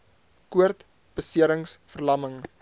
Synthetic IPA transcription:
kuərt | b̥əsiəɾəŋsfərlɐməŋ

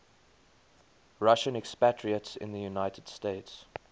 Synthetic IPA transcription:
ɹaʃə̃nɛkspætʰɹiətsɪ̰̃nðəjunaɪtʰəd̥steɪts

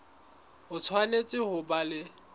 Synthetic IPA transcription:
hʊt͡sʰwanet͡sʼɪhʊbalɪ

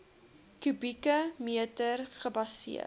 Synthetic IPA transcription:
kybikəmiətərχəbɐsḭə

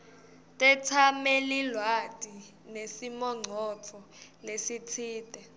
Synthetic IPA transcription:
tʼɛtʰamɛlilwad̥ʱi | nesimɔŋ͡ǀʱɔt͡fʰɔ | lesitʰiːtʼɛ

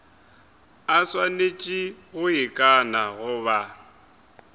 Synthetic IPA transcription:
aswanet͡ʃʼiɣʊɪkʼanaɣʊβa

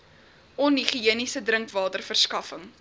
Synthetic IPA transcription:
ʔɔnɦiχiiənisədɾəŋkvɑːtərfərskɐfəŋ

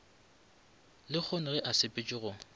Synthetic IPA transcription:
lɪk͡xʰonɪɣɛʔasɪpʼɪt͡ʃʼɪɣʊ

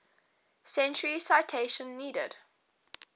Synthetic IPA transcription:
sɛ̃nt͡ʃəɹisaɪtʰeɪʃə̃nːiːdə̰d̥

